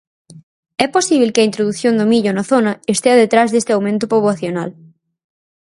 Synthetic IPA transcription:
ɛposiβ̞elkɪɐint̪ɾoðuθjond̪ʊmiʎʊnɐθonɐest̪eɐðet̪ɾazðest̪ɪawmẽnt̪ʊpoβwaθjonal

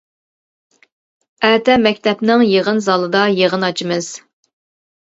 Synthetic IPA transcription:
æːt̪ɛmɛkʲt̪ʰɛpnɪŋjeʁənzɑlˠɨd̪ɑjeʁənɑt͡ʃʰimɨz̥

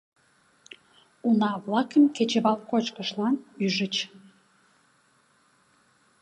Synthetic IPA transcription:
unɑβlɑkəmket͡ɕeβɑlkot͡ɕkəʃlɑnyʒət͡ɕ

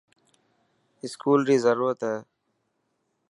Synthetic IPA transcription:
ɪskuːlɾiːzəɾuːɾət̪ɦeː

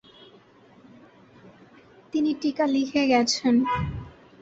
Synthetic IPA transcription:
t̪iniʈikalikʰeɡɛt͡ɕʰen

